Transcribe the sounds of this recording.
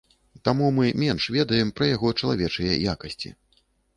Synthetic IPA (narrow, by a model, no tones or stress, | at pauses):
t̪amumɨmʲɛnʂvʲɛd̪ɐjɛmpɾɐjaɣɔt͡ʂɐlˠa̰vʲɛt͡ʂɨjɛ̰jakɐsʲt͡sʲḭ